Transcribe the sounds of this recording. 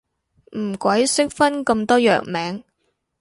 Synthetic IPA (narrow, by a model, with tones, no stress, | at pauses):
m̩˨˩kʷwɐ˨˥jsɪ˥k̚fɐ˥nkɐ˧mt̪ɔː˥jœ̰ː˨˩k̚mɛː˨˥ŋ